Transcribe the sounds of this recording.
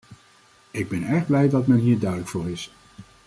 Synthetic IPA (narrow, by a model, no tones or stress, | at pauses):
ɪɡ̚bɛnɛɹχblɛjdɑtmɛnɦiːɹdœɥdələkfʊːɹɪs